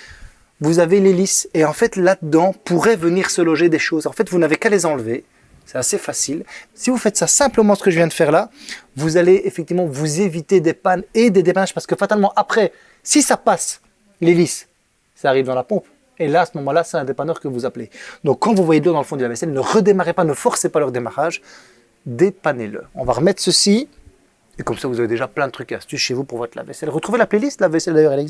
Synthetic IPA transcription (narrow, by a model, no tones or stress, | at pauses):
vuzaveleliseɑ̃fɛt̪lad̪əd̪ɑ̃puʁɛvəniʁsəlɔʒed̪eʃoːzɑ̃fɛt̪vunavekalezɑ̃lve | sɛt̪asefasilsivufɛt̪sasɛ̃pləmɑ̃sə̥kəʒəvjɛ̃d̪əfɛʁlavuzaleefɛk̚t̪ivmɑ̃vuzevit̪ed̪epaned̪ed̪epanaʒ̥paʁsə̥kəfat̪almɑ̃ʔapχɛ | sisapas | lelis | saːʁivd̪ɑ̃lapɔ̃p | elaːsəmɔmɑ̃lasɛt̪ɛ̃d̪epanœʁkəvuzapled̪ɔ̃kːɑ̃vuvwajed̪lod̪ɑ̃ləfɔ̃d̪əlavɛsɛlnəʁəd̪emaʁepanəfɔʁsepalœʁd̪emaʁaʒ | d̪epanelə̰ɔ̃vaʁəmɛt̪χsəsi | ekɔmsavuzaved̪eʒaplɛ̃d̪ət̪χykast̪ysʃevupuʁvɔt̪la̰vɛsɛlʁət̪χuvelaplɛlist̪lavɛsɛld̪ajœʁɛlɛ